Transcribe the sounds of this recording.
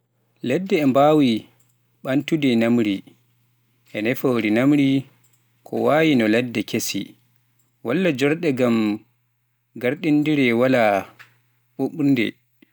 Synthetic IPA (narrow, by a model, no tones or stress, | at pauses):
lɛdːɛːmbawi | ɓantudɛnamɾi | ʔɛnɛfoɾinamɾi | kʰɔ̰waːjinɔlɛdːɛkesḭ | walːad͡ʒɔɾɗɛɡam | ɡaɾɗindiɾɛwala | ɓoɓundɛ̰